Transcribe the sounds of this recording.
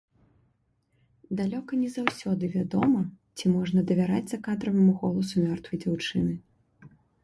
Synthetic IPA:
d̪alʲɔkɐnʲɛzawsʲɔd̪ɨvʲad̪ɔmɐ | t͡sʲimɔʐnɐd̪ɐvʲaɾa̰d͡zʲzɐkad̪ɾɐvɐmuɣɔlˠɐsumʲɔrt̪vɐjd͡zʲawt͡ʂɨnɨ

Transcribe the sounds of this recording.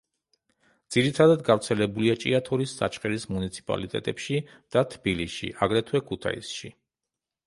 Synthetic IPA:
d̪z̥iɾit̪ʰad̪ad̪ɡavɾt̪sʰɛlɛbuliat͡ʃʼḭat̪ʰɔɾisːa̰t͡ʃʰχɛɾismunit̪sʰi̥pʼa̰lit̪ʼɛ̰t̪ʼɛpʃi | d̪̥at̪ʰbilisʃḭʔaɡɾɛt̪ʰwɛkʰut̪ʰa̰ḭsʃi

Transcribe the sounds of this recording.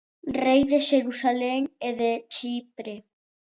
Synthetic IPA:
rejðeʃeɾusaleŋeðet͡ʃipɾe

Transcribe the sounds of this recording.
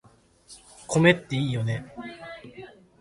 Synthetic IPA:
kʰo̞me̞t̪ːeiːjo̞ne̞

